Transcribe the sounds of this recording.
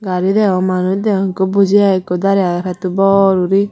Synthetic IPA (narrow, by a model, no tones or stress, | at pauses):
ɡaɾidɛɔmanud̪ɛɔŋkobud͡ʒiakod̪aɾɛaɾɛt̪ubɔɾuɾi